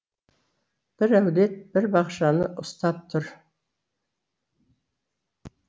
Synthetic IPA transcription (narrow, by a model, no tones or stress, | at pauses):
b̥ɪɾæwd̪et̪̚b̥ɪɾbɑχʃɑnəʔʊst̪ɑp̚t̪ʰʊɾ